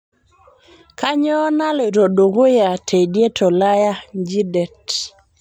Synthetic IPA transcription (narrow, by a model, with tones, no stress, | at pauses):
ka˦ɲɔː˦na˦le˨ɾo˨do˨ɡo˦ja˨tʰe˨dje˦tʰɔ˨la˦ja˦d͡ʒi˦dɛ˨t